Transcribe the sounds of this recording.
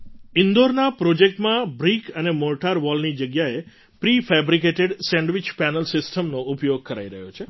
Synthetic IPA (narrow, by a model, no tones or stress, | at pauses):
ɪnd̪oɾnapɾod͡ʒek̚ʈmãbɾikʰənemoʈaɾʋɔlnid͡ʒəɡjae | pɾifɛbɾikeʈeɖsɛ̃ɳɖʋɪt͡ʃpænəlsɪsʈəmnoupjoɡ̚kəɾaiɾəɦjot͡ʃʰe